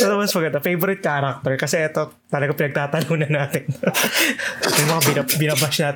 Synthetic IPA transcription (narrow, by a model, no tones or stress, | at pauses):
sɐnɐmɐnspɐɡɐt̪ɐfejvɔɾɪt̪̚kaːɾɐk̚t̪ɛɹkɐsɛʔɛt̪o̞ | t̪ɐlɐɡapɪnɐɡ̚t̪aːt̪ɐnuːnɐnːaːt̪ɪn | mɐjmɐŋabɪɐbɪnɐbasnaːt̪